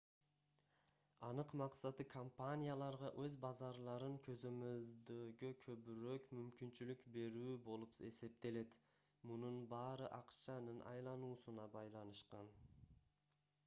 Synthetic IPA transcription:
ɑnɯqmɑqsɑt̪ɯkʰompanʲijalˠɑɾʁɑʔø̞zbɑzɑɾlˠɑɾɯŋkʰø̞zø̞mø̞ld̪øɡøkʰø̞βyɾøkmymkint͡ʃylykbe̞ɾyːbo̞lˠupe̞̰se̞p̚t̪e̞le̞t̪ | mununbɑːɾɯʔɑqt͡ʃɑnɯnʔɑ̰jlˠɑnuːsunɑbɑjlˠɑnɯʃqɑn

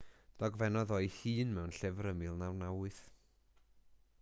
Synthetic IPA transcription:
d̥ɔɡvɛnɔðɔjhiːnmɛwnɬɪvɾəmɨlˠnawnawɨθ

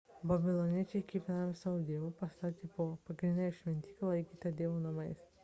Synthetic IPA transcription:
bɐbʲɪlˠɔnʲiɛt͡ʃʲɛɪkʲiɪpʲnamʲsɑːʋud̪ʲeːʋuːpɐst̪ɑːt̪ʲipoːpɐɡɾʲɪnd̪ʲɛʃʲʋʲɛnʲt̪ʲiːklˠɐɪkʲiːt̪ɐd̪ʲeɛʋoːnɐmɐɪs

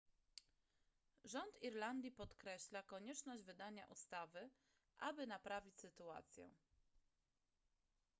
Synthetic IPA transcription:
ʐɔnt̪iɾland̪ʲjipɔt̪kɾɛɕlakɔɲɛt͡ʂnɔʑd͡ʑvɘd̪aɲa̰ʔust̪avɘ | ʔa̰bɘnapɾavʲit͡ɕʲsɘt̪ua̰t̪sʲjɛ̰

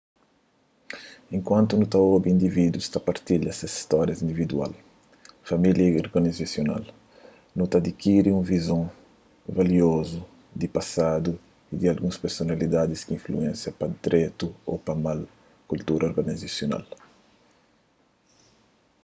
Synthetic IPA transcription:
ẽŋkwãnt̪unut̪aobiĩnd̪ivid̪uist̪apaɾt̪iʎɐsɐsi̥st̪ɔɾjɐzĩnd̪ivid̪ua̰l | familjɐoɾɡanizasjona̰l | nut̪ad̪ikiɾiũvizõ | valiozu | d̪ipasad̪u | id̪ialɡũspeɾsonalid̪ad̪iskiĩɱfluɛ̃nsjɐpɐd̪ɾɛt̪uo̰pɐmal | kult̪uɾʔɐoɾɡanizasjona̰l

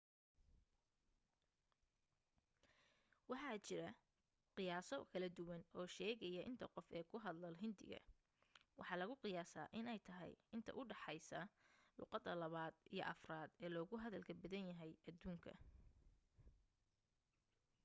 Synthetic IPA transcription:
wɑħɑːt͡ʃɪɾɐ | qɪjaːsɔkʰɐlɐd̪ʊwɐnɔːʃɛːɣɛjɐʔɪnt̪ʰɐqɔfɛːkʰʊɦɐd̪lɐlɦɪnd̪ɪ̰ɣɐ̰ | wʔɑ̰ħɑːlɐɣʊqɪjaːsa̰ːʔɪnɛjt̪ʰɐɦɛ̰jɪnt̪ʰɐ̰ʔʊɖɑħɑjsɐlʊ̰ːqɑd̪ɐlɐβaːd̪ʔijɔ̰ʔɐfraːd̪ɛːlɔːɣʊɦɐðɐlkʰɐbɐðɐnjɐɦɛjʔɐd̪uːŋkʰɐ̰

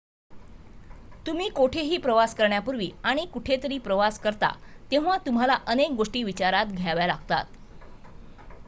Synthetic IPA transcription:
t̪um̤iːkoʈʰeɦiːpɾəʋaskəɾɳjapuɾʋiːaɽ̃ikuʈʰet̪əɾiːpɾəʋaskəɾt̪a̰t̪ew̃ʋat̪um̤alaʔənek̚ɡoʂʈiːʋit͡ɕaɾat̪ɡʱaʋjalaɡt̪a̰t̪

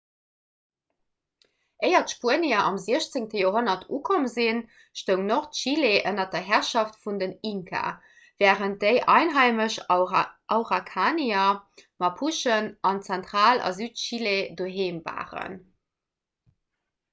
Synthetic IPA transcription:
ʔəɪɐtʃpuəniɐʔɑmziəɕt͡seŋtəjoːɦonɐtʰuːkʰoməzin | ʃtəʊŋnoχtʃileʔənɐdɐɦæʁʃɑftfundəniŋkʰa̰ | vɛːʁənt̚d̥əɪʔɑɪnɦɑɪməʃ | ɑʊʁakʰaːniɐmɑpʰuʃənʔɑnt͡sɛntʁaːlɑ̰zyːtʃiledoːɦeːmba̰ːʁə̰n

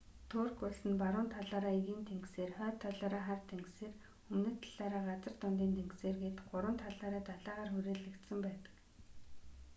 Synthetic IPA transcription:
t̪ʰʊːrkʊɮsɘ̆npaɾʊːnt̪ʰaɮaːɾaːiɣiːnt̪ʰeŋɡseːrχœːt̪ʰːaɮaːɾaːχart̪ʰeŋɡseːr | xɵmnɘ̆t̪ʰḁɮaːɾaːɢat͡sə̆rt̪ʊnt̪iːnt̪ʰeŋɡseːrɡeːt̪ɢʊɾwə̆nt̪ʰaɮaːɾaːt̪aɮaːʁaːrxuɾeːɮɘ̆kt̪sə̆mpæːt̪ə̥̆k

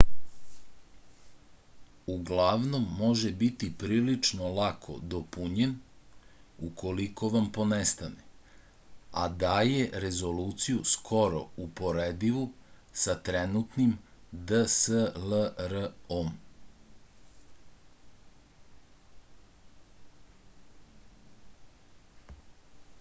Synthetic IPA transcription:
uɡlaʋno̞mːo̞ʒebit̪ipɾiːlit͡ʂnolakʰo̞̰d̪opuɲen | ukʰo̞liko̞ʋampo̞nest̪ane | a̰d̪ajeɾezo̞luːt̪sijuskʰo̞ɾo̰upo̞ɾeːd̪iʋusat̪ɾenut̪nimd̪əsələɾəom

